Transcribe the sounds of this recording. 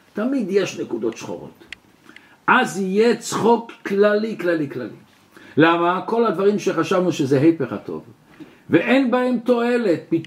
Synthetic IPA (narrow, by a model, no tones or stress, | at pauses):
t̪amid̪je̞ʃnekud̪o̞tʃχo̰ʁo̞̰t̪ | ʔazije̞t͡sχokːlaliklaliklalḭ | lamako̞lhad̪vaʁimʃeχaʃavnuʃezeɦejpeχa̰t̪o̞̰v | veʔenbahe̞mt̪o̞e̞le̞t̪̚pit